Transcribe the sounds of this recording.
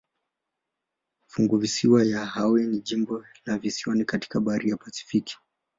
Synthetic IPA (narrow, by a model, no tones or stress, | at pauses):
fuŋɡuvisiwajahawɛniʄimbɔlavisiɔnikati̥kaɓaaɾijapasi̥fiki̥